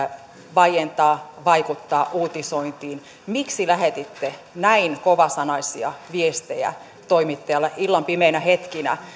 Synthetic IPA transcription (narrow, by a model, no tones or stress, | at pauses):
ʋɑjent̪ɑːʋɑikut̪ːɑːʔuːt̪isoint̪iːn | miksilæhet̪it̪ːe | næinkoʋɑsɑnɑisiɑ̰ʋiest̪ejæ̰ | t̪oimit̪ːɑjɑlːɑilːɑmpimeinæhet̪kinæ̰